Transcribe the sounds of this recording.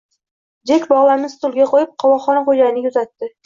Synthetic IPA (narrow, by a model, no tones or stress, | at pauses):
d͡ʒekʲbɒʁlˠamɪzst̪ʰʊlˠɡʲaqʰojɪp̚qʰɒwɒχɒnqojd͡ʒajnɪjʊzat̪ːɪ